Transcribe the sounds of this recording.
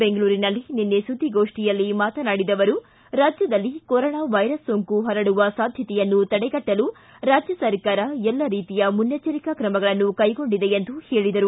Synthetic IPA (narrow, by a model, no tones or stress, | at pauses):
beŋɡɐɭuːɾinɐlːininːesud̪ʱːiɡo̞ːʂʈijɐlːimaːt̪ɐnaːɽid̪ɐʋɐɾu | ɾaːd͡ʒjɐd̪ɐlːikoɾoːɳaːʋɐjɾɐsːoːŋkuɦɐɾɐɽuʋɐsaːd̪ʱjɐt̪ɛjɐnːut̪ɐɽɛɡɐʈːɐlu | ɾaːd͡ʒjɐsɐɾkaːɾɐɛlːɐɾiːt̪ijɐmunjɐt͡ʃɐɾikɐkɾɐmɐɡɐɭɐnːukɐjɡo̞ɳɖid̪e̞end̪uhe̞ːɭid̪ɐɾu